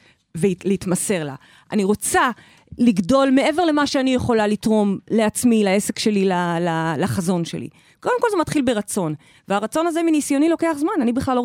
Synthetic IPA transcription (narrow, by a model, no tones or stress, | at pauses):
veleitmase̞ʁla̰ | ʔa̰niʁo̞t͡sa | liɡdo̞lmee̞ve̞ʁle̞maʃeanijeχo̞lalitʁo̞mle̞at͡smilae̞se̞kʃe̞lilalalaχazo̞nʃe̞̰lḭ | ko̞demkolzemat̪χilbeʁat͡so̞n | veaʁat͡so̞nazeminisjo̞nilo̞ke̞aχzmananibiχlalo